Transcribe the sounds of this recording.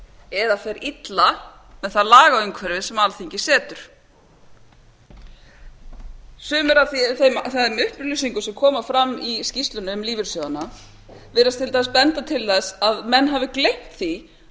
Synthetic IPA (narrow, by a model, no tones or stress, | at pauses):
ɛðaθɛɾit̪lamɛðθaðlaːɣaʏŋkʰvɛɾvɪsɛmalθiɲcɪsɛːt̪ʏɾ̥ | sʏːmʏɾaθiθemθamʏhplisiŋkʏsɛmkʰɔːmafɾamːiscist̪lʏnʏmliːvɪɾ̥sjɔðana | vɪːɾast̪ʰɪlt̪aːspɛnt̪at̪ʰɪlθɛsaðmɛnːɦaːvɪklejm̥t̪θi